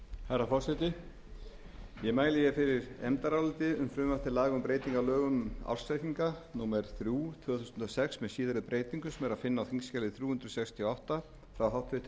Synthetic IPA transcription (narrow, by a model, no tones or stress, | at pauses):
haɾafɔr̥sɛt̪ɪ | jɛmaːjlɪjɛfɪɾɪɾɛ̰mt̪aɾawlʏt̪ɪʏmfɾʏːmvaft̪ɪlaːɣʏmpɾeːjt̪iŋkalœːɣʏma̰wr̥sajk̪iŋkanuːmɛɾ̥θɾjuːt̪ʰvœːθu̥sʏnt̪ɔsɛksmɛðsiːðaɾʏpɾʔeːjt̪iŋkʏsɛmɛɾaðfɪnːawhiŋskcɛːlɪθɾjuːhʏnd̪ɾʏsɛkst̪ʰiɔawht̪a | fɾawɦawht̪fɪht̪ɪ